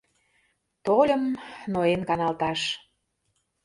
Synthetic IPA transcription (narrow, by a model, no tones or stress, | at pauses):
t̪olʲəmnoenkɑnɑlt̪ɑʃ